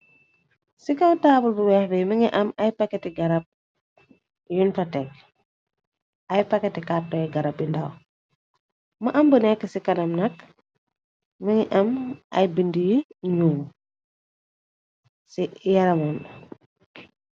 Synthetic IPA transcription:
sikɐwtaːbulbuwɛhbɛjmɐŋiʔɐmɐjpɐkːɛtiɡɐɾɐp̚ | junfɐtɛk̚ | ɐjpɐkːɛtikap̚tɐjɡɐɾɐpjundɐ̰w | mɐʔɐmbənɛkːəsikɐnɐmnɐk | məŋiʔɐmʔɐ̰jbindijiɲuːm | sijɐɾɐmɔn

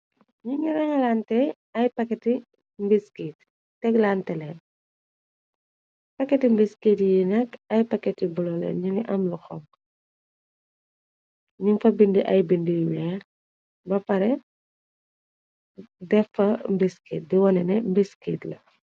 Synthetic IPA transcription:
ɲuŋiɾɛŋɐlantɛ | ɐjpɐkɛti | mbiskitː | ɛɡlantɛlɛ | pɐkːɛtimbiskitjinɛkɐjpɐkːɛtibulɔlɛ̰ɲuŋiʔɐmluxɔm | ɲuŋfɐbindiʔɐjbindijwɛː | bɐpɐɾɛ | dɛfɐmbiskiːt̚diwɔnɛnɛmbiskitlɐ̰

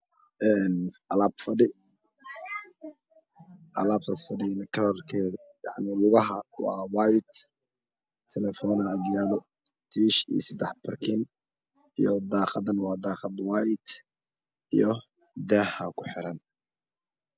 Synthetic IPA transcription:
ʔɛːnɐlaːbfɐɖɪ | ʔɐlaːb̚t̪ʰɐsfɐɖɪjɐnɐkʰɐlɐrkʰɛː | ja̰ʕnɪlʊɣɐɦɐwɑːwajt̪ | t̪ʰɛlɛfɔːnɐɐɡjaːðɔ | t̪ʰiːʃḭsɐd̪ɛħbʰɐrkʰɪn | ijɔd̪ɑːqɑd̪ɐnwɑːd̪ɑːqɑd̪wajt̪ | ijɞ | d̪ɛːhɐkʰʊħɪɾɐn

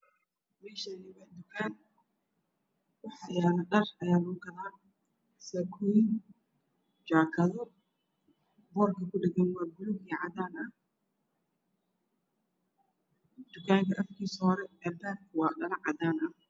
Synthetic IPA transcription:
mɛːʃɐnɪβɐd̪ʊkʰaːn | wʊħɑjaːnɐɖɐrɐjaːlʊkɐlaː | sɛkʰuɪ | d͡ʒaːkʰɐðɔ | bɔːrkʰɐkʰʊɖɛɡɐnwɑːbʊlʊɡiːʕɑd̪aːnɐh | d̪̥ʊkʰaːŋkʰɐʔɐfkʰiːsɔːɾɛɛːbaːrkʰwɑːɖɐlɐʕɑd̪aːnɐh

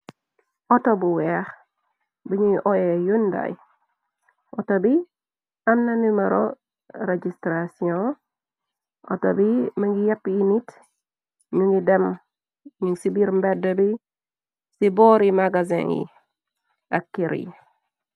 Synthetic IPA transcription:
ɔtobuwɛx | biɲujʔɔjejunda̰j | ʔɔtobi | amnanimaɾo | ɾed͡ʒistɾasiõ | ʔɔ̰to̰bimaŋɡijapːimit | ɲuŋɡidɛm | ɲuŋsibiɾmbɛdəbi | sibɔɾimaɡazḭ̃ŋḭ | akːiɾḭ

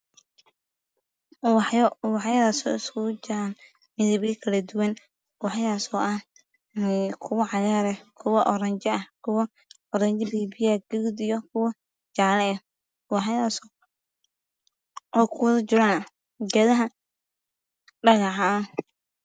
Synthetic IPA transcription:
wwɑħjɐðaːsɔ̰ːɪskʰʊd͡ʒɪɾaːn | mɪðɐβjɐkʰɐlɐd̪ʊwɐn | wɑħjaːsɔʔɐ | kʰʊwɐʕɑjaːɾɛkʰʊwɐʔɔɾɐɲt͡ʃɛɐhkʰʊwɐː | ɾɐɲt͡ʃɛbiːbɪjaɡɛɣud̪ijɔkʰʊwɐ | t͡ʃaːlɛɛ | wɑħjaːs | ʔɔːkʰʊwɐðɐt͡ʃʊɾanɐ | ɡɐðɐɦɐ | ɖɐɣɑħɐ

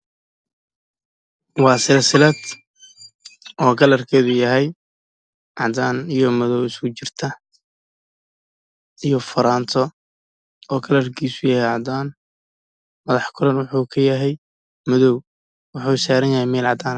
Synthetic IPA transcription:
wɑːsɪlɐsɪlɐd̪ | ʔɔːkʰɐlɐrkʰɛːðʊjɐɦɛj | ʕɑd̪aːnijɔmɐðɔwɪskʊt͡ʃɪrt̪ʰɐ | ijɞfɐɾaːnt̪ʰɔ | ɔːkʰɐlɐrkʰiːsʊjɐhɛjʕɑd̪aːn | mɐðɑħkʰʊɾɐnwʊħuːkʰɐjɐɦɛj | mʊðɔw | wʊħuːsaːɾɐnjɐhɛjmɛːlʕɑd̪aːn

